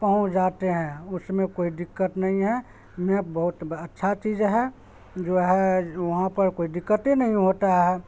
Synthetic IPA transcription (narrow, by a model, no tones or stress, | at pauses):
pəɦũt͡ʃd͡ʒaːt̪eɦɛ̃ʊsmẽkoːiɖɪkːət̪nɐɦĩɦɛ | mẽbəɦʊt̪ətːʃʰat͡ʃiːd͡ʒɦɛ | d͡ʒoːɦɛʋɐɦãpəɾkoːiɖɪkːət̪enɐɦĩɦoːt̪aɦɛ